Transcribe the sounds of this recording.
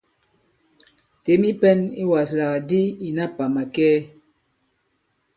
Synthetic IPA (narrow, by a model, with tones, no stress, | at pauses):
te˨˦mi˦pɛ˦ni˦wa˨sla˨ɣa˨di˦i˨na˦pa˨ma˨kɛː˦